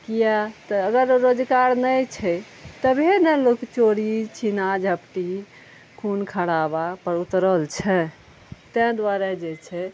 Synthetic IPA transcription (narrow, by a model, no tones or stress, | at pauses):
kijat̪əəɡəɾːod͡ʒkaɾnəjt͡ʃʰɛ | t̪əbʱenəlokt͡ʃoɽit͡ʃʰinad͡ʒəpʈi | kʰunkʰəɽabapəɾut̪ɾəlt͡ʃʰɛ | t̪ɛ̃d̪ʋaɾɛd͡ʒet͡ʃʰɛ